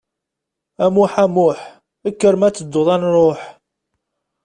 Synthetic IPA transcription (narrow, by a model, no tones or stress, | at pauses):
æmuħæmʊħ | əkːəɾmæt͡sːəd̪ːʊðˤænɾˤoħ